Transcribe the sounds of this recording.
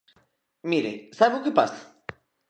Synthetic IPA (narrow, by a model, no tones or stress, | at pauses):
miɾesaβʊkɪpa̰sḁ